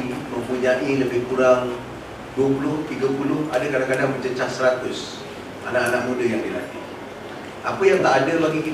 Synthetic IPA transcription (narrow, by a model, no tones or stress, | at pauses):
məmpuɲaʔiləbɪhkuɾaŋ | duəpulʊht̪iɡapulʊhadakadaŋkadaŋbət͡ʃət͡ʃahsəɾat̪ʊs | ʔa̰naʔanaʔ̚mũdəjaŋdila̰t̪i | apəjaŋt̪aʔadəbaɡiki